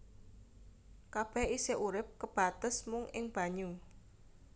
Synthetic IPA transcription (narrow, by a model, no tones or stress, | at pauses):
kab̥ɛhiseʔuɾɪp̚kəb̥a̤t̪əsmʊŋɪŋb̥a̤ɲu